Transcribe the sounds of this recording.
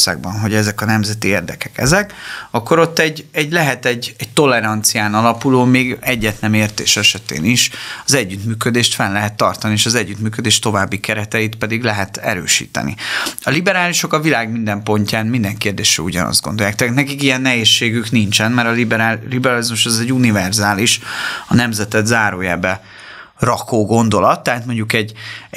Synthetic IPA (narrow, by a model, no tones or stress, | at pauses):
sa̰ːɡbɒnɦo̞ɟɛzɛkɒnɛmzɛt̪ieːrd̪ɛkɛkɛ̰zɛkɒkːo̞ɾo̞t̪ːɛɟɛɟlɛɦɛt̪ɛɟɛɟt̪o̞lɛɾɒnt̪sijaːnɒlɒpuloːmeːɡɛɟːɛt̪nɛmeːrt̪ḛːʃɛʃɛt̪ḛːniʃɒzɛɟːyt̪myːkød̪eːʃt̪fɛnlɛɦɛt̪ːɒrt̪ɒnieːʃɒzɛɟːyt̪myːkød̪eːʃt̪o̞vaːbːikɛɾɛt̪ɛit̪pɛd̪iɡlɛɦɛt̪ɛ̰ɾø̰ːʃḭːt̪ɛ̰nḭɒlibɛɾaːliʃo̞kɒvilaːɡmind̪ɛmpo̞ɲcaːnmind̪ɛŋkeːrd̪eːʃɛuɟɒ̰nɒ̰zd̪ɡo̞̰nd̪o̞jaːk̚t̪ɛːt̪nɛkikijɛnːɛɦeːʃːeːɡyknint͡ʃɛnmɛɾɒibɾalibɛɾɒlizmuʃɛzɛɟunivɛrzaːliʃɒnɛmzɛt̪ɛd̪zaːɾoːja̰ːbɛ | rɒkoːɡo̞nd̪o̞lɒt̪ːɛɦaːt̪mo̞ɲɟukɛɟː